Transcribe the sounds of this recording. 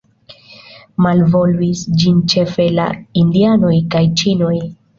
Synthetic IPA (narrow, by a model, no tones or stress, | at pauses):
malvo̞luisd͡ʒint͡ʃe̞fe̞la̰indiano̞jkajt͡ʃino̞j